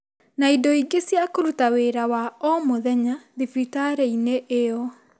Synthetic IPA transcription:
naidɔiɡesjakoɾutaweɾawaɔmoðɛɲaðifitaɾɛineʔeɔ

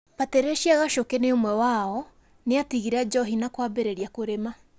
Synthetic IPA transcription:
βatɛɾeʃiaɣaʃokeneomwɛwaɔ | neatiɣiɾad͡ʒɔɦinakwabeɾeɾiakoɾema

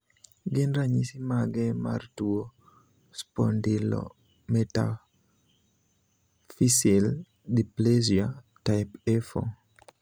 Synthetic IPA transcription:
ɡɪnɾaɲisimaɡɛma̰rtuo | spɔndilɔ̰ | mɛta̰ | fisil | diplezia | taɪpɛfo̰

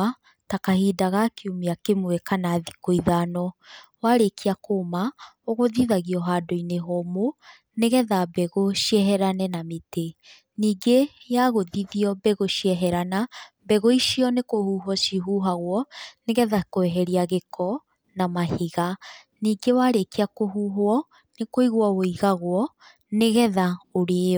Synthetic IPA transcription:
takahiːdaɣakʰiumiakemwɛkanaðikoiðanɔwaɾekiakoːmaoɣoðiðaɣiɔɦaːdoineɦɔmo | neɣɛðabɛɣoʃiɛɦɛɾanɛnamete | niːɡejaɣoðiðiɔbɛɣoʃiɛɦɛɾana | bɛɣoiʃiɔnekohuɦɔʃiɦuɦaɣwɔneɣɛðakoɛɦɛɾiaɣekʰɔ | namahiɣa | niːɡewaɾekeakoɦuːɦoɔ | nekoiɣwɔwoiɣaɣwɔ | neɣɛðaoɾe

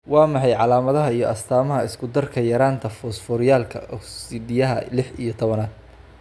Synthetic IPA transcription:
wɑːmɑħɑjʕɑlaːmɐðɐɦɐijɞʔɐst̪ʰaːmɐɦɐɪskʰʊd̪ɐrkʰɐjɐɾaːnt̪ʰɐfɔːsfɔɾɪjaːlkʰɐ̰ʔɔksɪd̪ɪjɐɦɐ̰lɪħijɞt̪ʰɔβɐnaːd̪

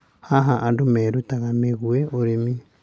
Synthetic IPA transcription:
haɦaʔandomeɾutaɣameɣueoɾemi

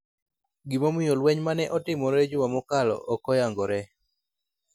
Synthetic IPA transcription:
ɡimomɪjolwɛɲmanɛʔɔtɪmɔɾed͡ʒʊwamɔkalɔ̰ʔɔkɔjaŋɡɔɾɛ

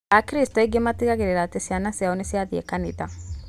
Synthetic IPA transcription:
akɾist̪oɛɡemat̪iɣaɡeɾeɾat̪esianasiaonesiaðiḛkanid̪a

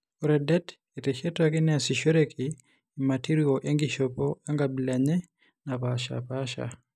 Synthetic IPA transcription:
oɾɛdɛt | eteʃetakinɛasiʃeɾekʰiː | matiɾioʔeŋɡiʃopɔaŋɡabilaɲe | napaʃa̰paʃa̰

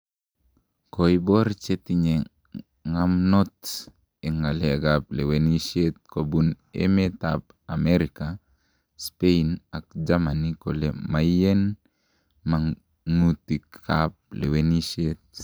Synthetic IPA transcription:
kojbɔɾt͡ʃet̪iɲe | ŋamnɔt̪ | eŋaleaɡap̚leweniset̪̚kobun | ḛmet̪ap | ameɾika | speinak̚d͡ʒamanikolemajen | ma | ŋutikkap̚lewenisiet̪̚

